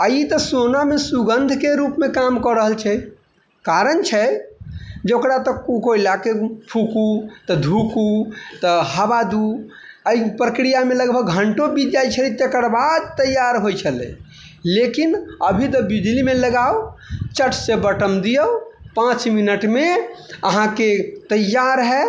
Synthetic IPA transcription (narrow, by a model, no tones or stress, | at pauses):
əjit̪ɔsonamesuɡənd̪ʱkeɾupmekamkɔɾəɦəlt͡ʃʰɛ | kaɾənt͡ʃʰɛ | d͡ʒokɾat̪ɔkukoilakepʰukut̪ɔd̪ʱukut̪ɔɦəbad̪u | əipɾəkɾijameləɡbʱəɡ̚ɡʱəɳʈobid͡ʒajt͡ʃʰəlit̪ekəɾbad̪̚t̪əjːaɾɦojt͡ʃʰəlɛ̰̃ | lekinəbʱit̪̬ɔbid͡ʒlimeləɡaot͡ʃəʈʰsebəʈəmd̪ijəwpãt͡ʃminəʈmeəɦãket̪əjːaɾɦɛ